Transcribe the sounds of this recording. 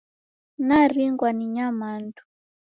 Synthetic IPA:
nariŋɡwaniɲamandu̥

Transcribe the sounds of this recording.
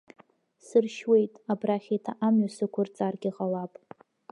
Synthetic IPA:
sɨrʃwe̞jtʼabraχʲetʰaʔamɥasɨkʷʰʊrt͡sʼarɡʲiʁalapʼ

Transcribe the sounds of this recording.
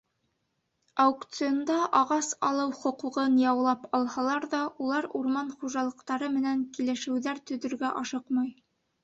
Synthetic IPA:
awukt̪sɨjond̪ɑʔɑʁɑsɑlˠɤwχŏquʁɤnjɑwlˠɑpɑlˠhɑlˠɑɾðɑʔulˠɑɾuɾmɑnχuʒɑlˠɤ̆qt̪ɑɾɤmɘ̆næŋkilɘ̆ʃɘ̆wðæɾt̪ɵ̆ðɵ̆ɾɡæʔɑʃɤqmɑj

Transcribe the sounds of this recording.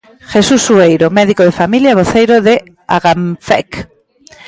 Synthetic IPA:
xesusːuejɾomɛðikoð̞efamiljaβoθejɾoðɪ | a̰ɣaɱfɛ̰k

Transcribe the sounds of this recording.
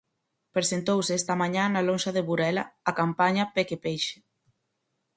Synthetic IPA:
pɾesent̪owsɛst̪amaɲanalonʃaðeβuɾɛla̰ːkampaɲapekepejʃe̥

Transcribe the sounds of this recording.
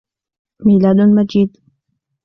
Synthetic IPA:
miːlaːd̪mad͡ʒiːd̪

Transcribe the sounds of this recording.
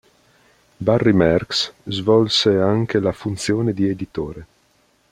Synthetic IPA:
barːimɛrkszvɔlseaŋkelafunt̪sjoːned̪ied̪it̪oːɾe

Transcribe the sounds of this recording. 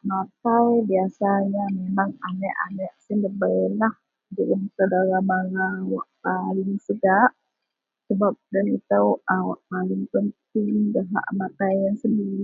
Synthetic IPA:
mat̪awbiasaɲamemaŋanɛʔa̰nɛʔsiləbəjlah | d͡ʒəɾənsadaɾamaɾawaʔpalɪŋsəɡaʔ | səbap̚danit̪əwawa̰ʔpalɪŋpənt̪ɪŋdəɦa̰ʔmat̪ajaŋsəndiɾi

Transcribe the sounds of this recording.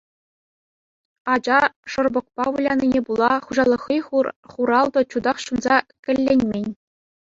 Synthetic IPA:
ɑd͡ʑɑʂɤ̆rbɤ̆k̚pɑʋulʲɑnʲinʲebulˠɑχuʑɑlˠɤ̆χːiχuɾɑlˠd̪ɤ̆t͡ɕud̪ɑχɕunzɑkʲɘ̆lʲːenʲmʲenʲ

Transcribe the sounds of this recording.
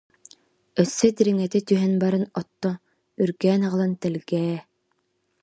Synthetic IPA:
œsːœd̪iɾiŋɛt̪it̪yɦɛnbaɾɯnɔt̪ːɔ | yɾɡɛːnaʁɯlˠant̪ɛlɡɛː

